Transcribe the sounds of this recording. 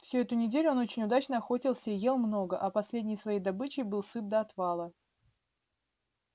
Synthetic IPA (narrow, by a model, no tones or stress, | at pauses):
fsʲuɛt̪ʊnʲɪdʲelʲʊno̞t͡ɕɪnʲʊd̪at͡ɕnəɐxo̞tʲɪlˠsʲəije̞lˠmno̞ɡəʔɐpɐsʲlʲedʲnʲɪjsvɐjejd̪ɐbɨt͡ɕɪjbɨlˠsɨt̪̚d̪əɐt̪vɑlˠə